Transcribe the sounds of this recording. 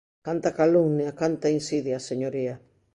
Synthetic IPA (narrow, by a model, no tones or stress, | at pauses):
kant̪akaluŋniakant̪ainsiðjaseɲoɾia